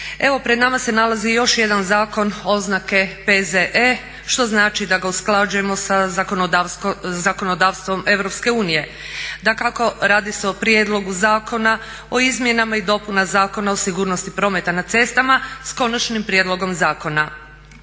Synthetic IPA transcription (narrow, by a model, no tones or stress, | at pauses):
e̞ʋo̞pɾe̞d̪namase̞nalazijo̞ʃje̞d̪anzaːko̞no̞znake̞pezeʔe | ʃt̪o̞znaːt͡ʃid̪aɡausklˠad͡ʒuje̞mo̞saako̞nod̪azako̞nod̪aːʋst̪ʋo̞me̞ʋɾo̞pske̞uːnije̞ | d̪akako̞ɾaːd̪iseopɾjed̪lˠo̞ɡuzaːko̞na | o̞izmje̞namaid̪o̞punazaːko̞naosiɡuːɾno̞st̪ipɾo̞me̞t̪anat̪se̞st̪amasko̞nat͡ʃnimpɾje̞d̪lˠo̞ɡo̞mzaːko̞na